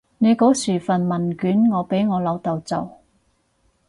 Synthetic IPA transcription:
ne˨˧jko˨˥wsyː˨˩fɐ˨˩nmɐ˨˩nkyː˨˥nŋɔː˨˧pe˨˥jŋɔː˨˧lɐ˨˧wt̪ɐ˨wt͡sɐ̰˨w

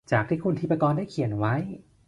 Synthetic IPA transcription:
t͡ɕaː˨˩k̚t̪ʰiː˥˩kʰu˧nt̪ʰi˦˥pa˧kɔː˧ndaː˥˩jkʰi˨˩˦nwa˦˥j

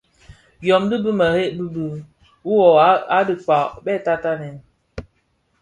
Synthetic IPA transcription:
jɔ˨mdɨ˦bɨ˦mə˨he˦ʔbɨ˦bɨ˦ | wu˦wɔ˨˦a˦dɨ˨k͡pa˨bɛ˦˨ta˦ta˦nɛ˨n

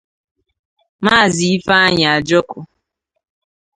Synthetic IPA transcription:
maː˦˨zi˨i˦fa˦a˦ɲa˨a˨d͡ʒɔ˦kʊ˨

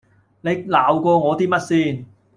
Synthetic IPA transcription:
ne˨˧jlaː˨wkʷɔː˧ŋɔː˨˧t̪iː˥mɐ˥t̚siː˥n

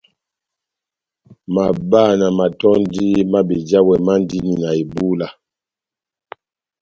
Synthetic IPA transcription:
ma˨ba˦˨na˨ma˨tɔ˦n˦di˦ma˦be˨d͡ʒa˦wɛ˨ma˦n˦di˦ni˨na˨i˨bu˦la˦

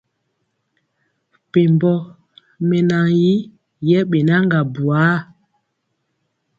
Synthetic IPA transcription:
pe˨mbɔ˦ | mɛ˨na˨ji˦ | jɛ˦ɓe˨na˦ŋɡa˨bu˨a˨˦

